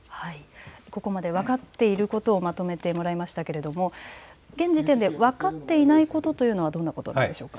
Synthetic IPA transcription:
haiko̞ko̞mad̪e̞βakat̪ːe̞iɾɯ̟ko̞t̪o̞ːmat̪o̞me̞t̪e̞mo̞ɾaimaɕi̥t̪ake̞ɾe̞d̪o̞mo̞ɡẽ̞ɲ̟d͡ʑit̪ẽ̞nd̪e̞βakat̪ːe̞inaiko̞t̪o̞t̪o̞jɯ̟no̞βad̪õ̞nːakot̪o̞nã̰d̪eɕo̞ːka

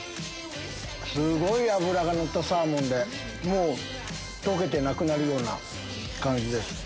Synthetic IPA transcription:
sɨɡo̞iaβɯ̟ɾaɡano̞t̪ːasaːmõ̞nd̪e̞ | mo̞ː | t̪o̞ke̞t̪e̞nakɯ̟naɾɯ̟jo̞ːna̰ | kãɲ̟d͡ʑid̪e̞sɨ̥

